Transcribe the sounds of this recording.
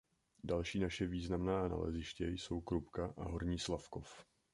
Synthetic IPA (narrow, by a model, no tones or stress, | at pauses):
dalʃiːnaʃɛviːznamnaːna̰lɛ̰zɪʃcɛjso̞wkɾupkaʔaɦoɾɲiːslafkof